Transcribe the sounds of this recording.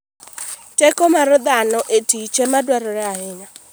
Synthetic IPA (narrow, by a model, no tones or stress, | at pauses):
tekomaɾʊd̪aanʊʔetit͡ʃemadwaɾʊɾɪaɦɪna